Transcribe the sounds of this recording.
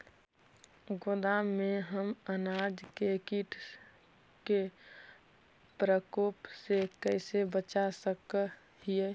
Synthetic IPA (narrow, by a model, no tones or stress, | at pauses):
ɡod̪amẽɦəmənaɾd͡ʒkekiʈ | ke | pɾəkoːpsekəɪsebət͡ʃasək | hie